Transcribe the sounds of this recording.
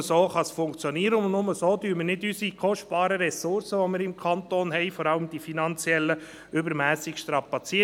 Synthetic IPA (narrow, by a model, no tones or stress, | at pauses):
soːχɑsfʊŋkt͡sjoniəɾəʊnnʊməsoːdyəmərnɪdysikɔʃtb̥ɑːɾəɾɛsʊɾsəʋomɪːɾɪmkʰɑntoːnɦɛɪfɔɾɑləmd̥̪ifinɑnt͡sjɛlːə | ʏbəɾmæːsɪkʃtɾɑpːɑt͡siə